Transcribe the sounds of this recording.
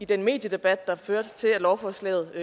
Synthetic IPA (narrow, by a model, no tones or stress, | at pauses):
id̥enme̝̰ːd̥jəd̥e̝b̥æd̥̚ːɑ̈føɐ̰d̥t͡sʰe̝ælɒʊfɒslɛ̰ð̩ˠ